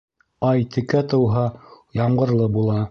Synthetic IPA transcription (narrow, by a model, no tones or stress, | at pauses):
ɑjt̪ʰɘ̆kæt̪ɤ̆wɦɑ | jɑɴɢɤ̆ɾlˠɤbulˠɑ